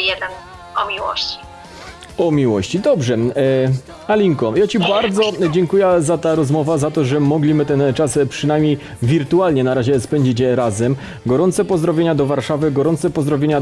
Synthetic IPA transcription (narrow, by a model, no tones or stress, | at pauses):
jɛd̪ɛn | ɔmʲiwɔ̰ɕt͡ɕi̥ | ɔmʲiwɔ̰ɕt͡ɕid̪ɔbʐɛ | alʲiŋkɔjat͡ɕibaɾd̪zɔd͡ʑɛŋkujɛzat̪aɾɔzmɔvazat̪ɔʐɛmɔɡlʲimɘt̪ɛnt͡ʂaspʂɘnajmʲɲej | vʲiɾt̪ualɲɛnaɾaʑɛspɛɲd͡ʑit͡ɕɾazɛm | ɡɔɾɔnt̪sɛpɔzd̪ɾɔvʲjeɲad̪ɔvaɾʂavɘɡɔɾɔnt̪sɛpɔzd̪ɾɔvʲjeɲa